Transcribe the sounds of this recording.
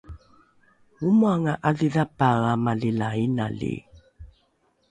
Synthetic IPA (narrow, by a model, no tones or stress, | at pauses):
umuaŋaʔaðiðapaɣamalilaina̰lḭ